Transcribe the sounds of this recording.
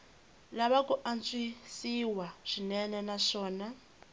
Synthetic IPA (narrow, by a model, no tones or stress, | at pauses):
laβakuʔant͡sʼwisiwaʂʷinɛnɛnaʂɔːna